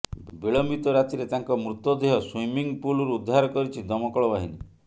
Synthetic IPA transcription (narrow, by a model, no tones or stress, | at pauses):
biɭɔmbit̪ɔɾat̪iɾet̪aŋkɔmɾut̪ɔd̪eɦɔswimiŋpulɔɾuud̪ʱːaɾɔkɔɾit͡ʃʰid̪ɔmɔkɔɭɔbaɦini